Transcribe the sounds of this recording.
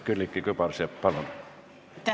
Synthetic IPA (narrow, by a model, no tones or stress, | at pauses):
kylːikːikøpɑrsieppɑlon | t̪